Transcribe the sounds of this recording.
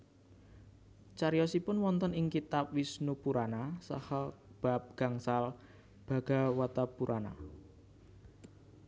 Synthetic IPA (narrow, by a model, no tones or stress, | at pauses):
t͡ʃaɾijɔsipʊnwɔnt̪ənɪŋkit̪ap̚wisnupuɾanasa̰hɔb̥ap̚ɡ̥a̤ŋsal | b̥a̤ɡ̥a̤wat̪apuɾʔana̰